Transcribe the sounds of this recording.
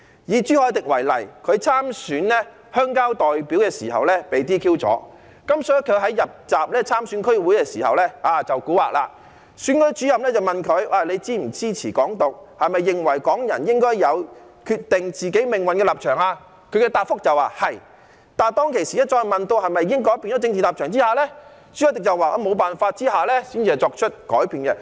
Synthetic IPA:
jiː˨˧t͡syː˥hɔː˧jt̪ɪ˨˩k̚wɐ˨˩jlɐ̰˨˩jkʰɵ˨˧ɥt͡sʰaː˥msyː˨˥nlɛ˥ | hœː˥ŋkaː˥wt̪ɔː˨˩jpiː˨˥wkɛː˧sḭː˨˩hɐ̰˨wlɛː˥pe˨jt̪iː˥kʰiː˥wt͡sɔ̰ː˨˥ | kɐ˥msɔ˨˥kʰɵ˨˧ɥɦɐ˨˥jjɐ˨p̚t͡saː˨p̚lɛː˥t͡sʰaː˥msyː˨˥nkʰɵ˥ɥwuː˨˥jkɛː˧siː˨˩hɐ̰˨wlɛː˥aː˨˧t͡sɐ˨wkuː˨˥wa̰ː˨k̚la̰ː˧ | syː˨˥nkɵ˧˥t͡ʃyː˨˥jɐ˨m̚lɛ˥t͡sɐ˨wmɐ˨nkʰɵ˨˧ɥʔaː˧le˨˧jt͡siː˥m̩˨˩t͡siː˥t͡sʰiː˨˩kɔː˨˥ŋt̪o˨k̚hɐ˨jmɐ˨jːɪ˨ŋwɐ˨˩jkɔː˨˥ŋjɐ̰˨˩njɪ˥ŋkɔː˥jjɐ˨˧w | kʰy˧t̚t̪ɪ˨ŋt͡siː˨ke˨˥jmɪ˨ŋwɐ˨nkɛː˧laː˨p̚t͡ʃʰœː˨˩ŋaː˧ | kʰɵ˨˧ɥkɛ˧t̪aː˨t̚fʊ˥k̚t͡sɐ˨waː˨˩hɐ˨j | t̪aː˨nt̪ɔː˥ŋkʰe˨˩jsiː˨˩ɛ˥t͡ʃɔː˧jmɐ˨nt̪o˧whɐ˨jmɐ˨jːɪ˥ŋkɔː˨˥jpiː˧nɔː˨˥t͡sɪ˧ŋt͡siː˨nlaː˨p̚t͡ʃʰœː˨˩ŋt͡siː˥haː˨˧lɛː˥ | t͡ʃy˨˥jɐ˨˩t̪ɪ˨k̚t͡sɐ˨˩waː˨˩ʔɔ˧˥mo˨˧wpaː˨nfaː˧t̚t͡siː˥haː˨˩lɛː˥siː˥nt͡sʰi˧ɐ˨˩t͡sɔː˧k̚t͡ʃʰɵ˥t̚kɔ̰ː˨˥jpiː˧nkɛ˧

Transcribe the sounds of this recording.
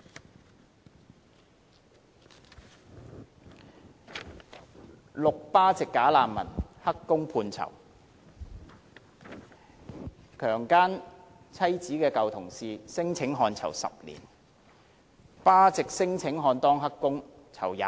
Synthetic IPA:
lʊ˨k̚paː˥t͡sɪ˨kːaː˨˥laː˧nmɐ̰˨˩nhɐ˥kːʊ˥ŋpʰuː˧nt͡sʰɐ̰˨˩w | kʰœː˨˩ŋkaː˥n | t͡sʰɐ˥jt͡siː˨˥kɛː˧kɐ˨wt̪ʰʊ˨˩ŋsiː˨sɪ˥ŋt͡sʰɪ˨˥ŋɦɔː˧nt͡sʰɐ̰˨˩wsɐ̰˨p̚lḭː˨˩n | paː˥t͡sɪ˨k̚sɪ˥ŋt͡sʰɪ˨˥ŋɦɔː˧nt̪ɔː˥ŋɦɐ˥kːʊ˥ŋ | t͡sʰɐ̰˨˩wjaː˨˦

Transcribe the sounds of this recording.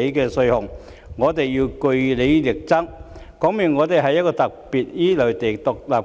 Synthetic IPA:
e˨˧jkɛː˧sɵ˧hʊ˨˩ŋ | ŋɔː˨˧t̪e˨˩jjiː˧wkɵ˧ɥle˨˧jlɪ˨˩k̚t͡sɐ˥ŋ | kɔː˨˥ŋmyː˨˩nŋɔː˨˧t̪e˨˩jɦɐ˨jɐ˥t̚kɔː˧t̪ɐ˨k̚piː˨t̚jiː˥lɵ˨˩wt̪e˨˩t̪ʊ˨k̚laː˨p̚

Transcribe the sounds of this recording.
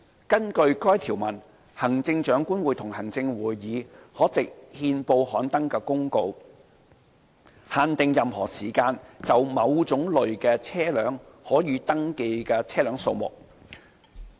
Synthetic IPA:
kɐ˥nkɵ˧ɥkɔː˥jt̪ʰiː˨˩wmɐ˨˩n | hɐ˨˩ŋt͡sɪ˧ŋt͡ʃœː˨˥ŋkuː˥nwuː˨˩jt̪ʰʊ˨˩ŋhɐ˨˩ŋt͡sɪ˧ŋwuː˨˩jːiː˨˧hɔː˨˥t͡sɪ˨k̚hiː˧npo˧whɔː˨˥nt̪ɐ˥ŋkɛː˧kʊ˥ŋko˧w | haː˨˩nt̪ɪ˨ŋjɐ˨mhɔː˨˩siː˨˩kaː˧nt͡sɐ˨wmɐ˨˧wt͡sʊ˨˥ŋlɵ˨ɥkɛː˧t͡sʰɛː˥lœː˨˥ŋ | hɔː˨˥jiː˨˧t̪ɐ˥ŋke˧jkɛː˧t͡sʰɛː˥lœː˨˥ŋso˧wmʊ̰˨k̚

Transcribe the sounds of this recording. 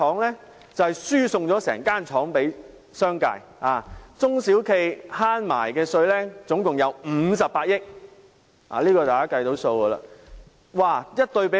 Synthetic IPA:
ɔː˨˥ŋlɛː˥ | t͡sɐ˨whɛ˨jsyː˥sʊ˧ŋt͡sɔː˨˥sɛ̰ː˨˩ŋkaː˥nt͡ʃʰɔː˨˥ŋpe˨˥j | sœː˥ŋka̰˧jaː˨˩t͡sʊ˥ŋsiː˨˥wkʰe˧jhaː˥nma̰ː˨˩jkɛː˧sɵ˧ɥlɛː˥t͡sʊ˨˥ŋkʊ˨ŋjɐ˨˥wm̩ː˨˧s̬ɐ˨pːaː˧t̚jɪ˥k̚ | ʔa̰ː˨˩liː˥kɔː˧t̪aː˨kaː˦˥kɐ˧jt̪o˨˥wso˧wɡɐ˧la̰ː˧ | waː˨˩jɐ˥t̚t̪ɵ˧ɥpe˨˦˥

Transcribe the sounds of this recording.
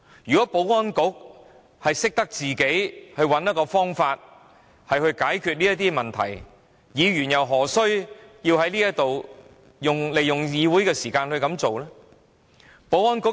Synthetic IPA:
jyː˨˩kɔ˨˥po˨˥wɔː˥nkʊ˨˥k̚ | hɐ˨jsɪ˥k̚t̪ɐ˥k̚t͡siː˨ke˨˥jhɵ˧ɥwɐ˨˥njɐ˥t̚kɔː˧fɔː˥ŋfaː˧t̚ | hɐ˨jhɵ˧ɥkaː˨˥jkʰy˨˧t̚liː˥jɐ˥t̪iː˥mɐ˨˩nt̪ʰɐ̰˨˩j | jiː˨˧ɥyː˨˩njɐ˨wɦɔː˨˩sɵ˥ɥjiː˧whɐ˨˥jliː˥jɐ˥t̚t̪o˨w | jʊ˨ŋle˨jʊ˨ŋjiː˨˧wuː˨˥jkɛː˧siː˨˩kaː˧nhɵ˧ɥkɐ˨˧˥mt͡so˨wlɛː˥ | po˨˥wɔː˥nkʊ˥

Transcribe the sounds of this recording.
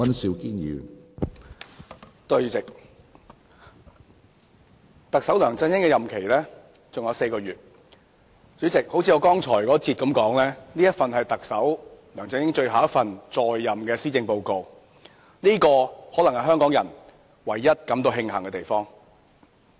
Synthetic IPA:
ɐ˥nsi˧wkiː˥njḭː˨˩ | t̪ɵ˧ɥt͡sɪ˨k̚ | t̪ɐ˨k̚sɐ˨˥wlœː˨˩ŋt͡sɪ˧ŋhɪ˥ŋkɛ˧jɐ˨mkʰe˨˩jlɛː˥ | t͡sʊ˨ŋjɐ˨˧wse˧jkɔː˧ɥyː˨t̚ | t͡sy˨˥t͡sɪ˨k̚ho˨˥wt͡sʰiː˧jɔː˨˧kɔː˥ŋt͡sʰɔː˨˩jkɔː˨˥t͡siː˧t̚kɐ˨˥mkɔː˨˥ŋlɛː˥niː˥jɐ˥t̚fɐ˨nɦɐ˨jt̪ɐ˨k̚sɐ˨˥wlœː˨˩ŋt͡sɪ˧ŋhɪ˥ŋt͡ʃɵ˧ɥɦaː˨wɐ˥fɐ˨nt͡sɔː˨jːɐ˨˩mkɛː˧siː˥t͡sɪ˧ŋpo˧wko˧w | niː˥kɔː˧hɔː˨˥lɐ˨˩ŋhɐ˨˩ɦœː˥ŋkɔː˨˥ŋjɐ˨˩n | wɐ˨˩jːɐ˥t̚kɐ˨˥mt̪̬o˧wɦɪ˧ŋɦɐ˨˩ŋkɛ˧t̪e˨˩jfɔː˥ŋ

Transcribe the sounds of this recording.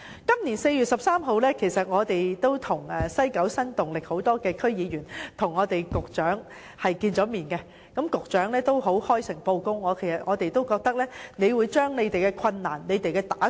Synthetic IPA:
kɐ˥mniː˨˩nse˧jyː˨t̚sɐ˨p̚saː˥mɦo˨˧wlɛː˥kʰe˨˩jsɐ˨t̚ŋɔː˨˧t̪e˨jt̪o˥wt̪ʰʊ˨˩ŋɛː˨sɐ˥jkɐ˨˥wsɐ˥nt̪ʊ˨ŋlɪ˨k̚ho˨˥wt̪ɔː˥kɛː˧kʰɵ˥ɥjiː˨˧jyː˨˩nt̪ʰʊ˨˩ŋːɔː˨˧t̪e˨jkʊ˨k̚t͡ʃœː˨˥ŋ | hɐ˨jkiː˧nt͡sɔː˨˥miː˨nkɛ˧ | kɐ˨˥mkʊ˨k̚t͡ʃœː˨˥ŋlɛː˥t̪o˥wɦo˨˥whɔː˥jsɪ˨˩ŋpo˧wkʊ˥ŋːɔː˨˧kʰe˨˩jsɐ˨t̚ŋɔː˨˧t̪e˨jt̪o˥wkɔː˧k̚t̪ɐ˥k̚lɛː˥ne˨˧jwuː˨˧jt͡ʃœː˥ŋne˨˧jt̪e˨jkɛː˧kʰɐ˧nːaː˨˩nːe˨˧jt̪e˨jkɛː˧t̪aː˨˥

